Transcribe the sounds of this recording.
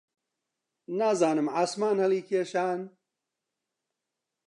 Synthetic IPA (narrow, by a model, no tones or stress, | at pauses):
naːzaːnɨmaːsmaːnhɐliːkʰeːʃaːn